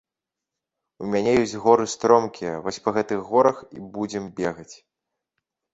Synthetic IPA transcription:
umʲanʲɛjɔsʲt͡sʲɣɔɾɨst̪ɾɔmkʲʰijɐvɔsʲpɐɣɛt̪ɨɣːɔɾɐxḭbud͡zʲɛmbʲɛɣɐt͡sʲ

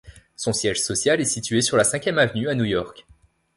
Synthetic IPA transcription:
sɔ̃sjɛʒsɔsjalɛsit̪ɥesyʁlasɛ̃kʲjɛmavnyanujɔʁk

